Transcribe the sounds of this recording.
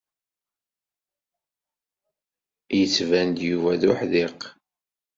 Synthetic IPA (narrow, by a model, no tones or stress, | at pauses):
jət͡sːvænd̪juvæðʊħðɪq